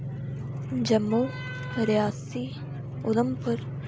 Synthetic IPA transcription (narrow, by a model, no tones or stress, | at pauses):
d͡ʒɐmːo | ɾijaːsi | ʊləmpəɾ